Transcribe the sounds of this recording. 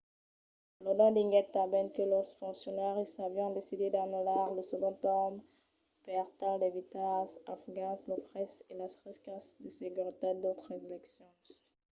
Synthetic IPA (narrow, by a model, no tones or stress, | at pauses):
lɔd̪ɑ̃d̪ĩŋɡɛt̪ːabɛnkəlɔsfɔ̃ksjɔnɛʁisavjɔ̃d̪esid̪ed̪anulaʁləsəɡɔ̃t̪ɔm | pɛʁt̪ald̪evit̪azafɡãslofʁɛselasχiskasd̪əseɡyʁit̪ad̪ot̪χəzelɛksjɔ̃